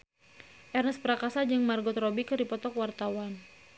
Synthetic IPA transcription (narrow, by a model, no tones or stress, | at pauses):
ʔɛrnəspəɾakasad͡ʒɨŋmarɡɔt̪ɾɔbikɨrdipɔt̪ɔkwart̪awan